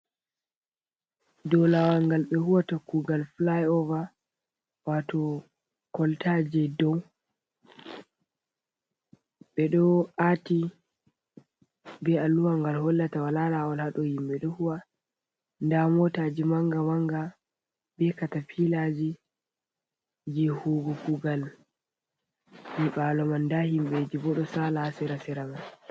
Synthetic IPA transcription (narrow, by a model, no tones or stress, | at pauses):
dɔlawaŋɡalɓɛhuwatakːuɡalflajɔva | watɔ | kɔltad͡ʒɛdɔw | ɓɛɗɔʔati | bɛalːuwaŋɡalhɔlːatawalalawɔlhaɗɔhimɓɛɗɔhuwa | ndamɔtaːd͡ʒimaŋɡawaŋɡa | bɛkatapʰilad͡ʒi | d͡ʒɛhuːɡukuɡal | miɓalɔmandahimɓɛd͡ʒibɔɗɔsalaasɛɾasɛɾaman